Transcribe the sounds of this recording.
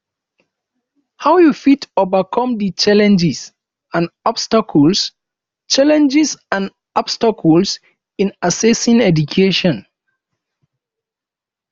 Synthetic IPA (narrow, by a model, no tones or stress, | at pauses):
haʊjufitovakʰɔ̃mdit͡ʃalɛ̃nd͡ʒis | ãnɔb̥stakʰɔls | t͡ʃalɛ̃nd͡ʒisãn | ɔbstakʰɔls | ĩnasɛsĩŋɛdukʰeʃɔ̃n